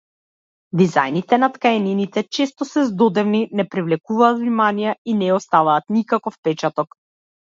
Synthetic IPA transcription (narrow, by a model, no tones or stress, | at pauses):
d̪iza̰jnit̪ɛnat̪kaɛninit̪ɛt͡ʃɛst̪ɔsɛzd̪ɔd̪ɛvninɛpɾivlɛkuvaːt̪vnimanijainɛɔst̪avaːt̪nikakɔfpɛt͡ʃat̪ɔk